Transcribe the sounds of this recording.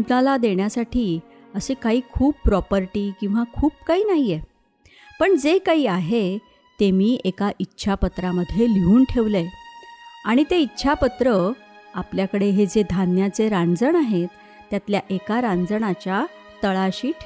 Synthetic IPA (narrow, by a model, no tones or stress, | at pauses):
nalad̪eɳjasaʈʰiː | əsekaɦiːkʰuːpːɾɔpəɾʈiːkĩw̃ʋakʰuːp̚kaɦiːnaɦije | pəɳd͡zekaɦiːaɦe | t̪emiːʔekaʔitːɕʰapət̪ɾaməd̪ʱːjeliuːnʈʰeʋle | aɽ̃it̪eitːɕʰapət̪ɾəapljakəɽeɦed͡zed̪ʱanjat͡seɾãnd͡zəɳaɦet̪ː | jat̪ljaʔekaɾãnd͡zəɳat͡ɕja | t̪əɭaɕiːʈʰ